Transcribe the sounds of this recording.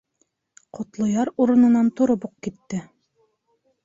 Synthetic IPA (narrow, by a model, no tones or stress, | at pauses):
qʰŏt̪lˠŏjɑɾuɾɤ̆nɤ̆nɑnt̪ŏɾobuq̚kit̪ːɘ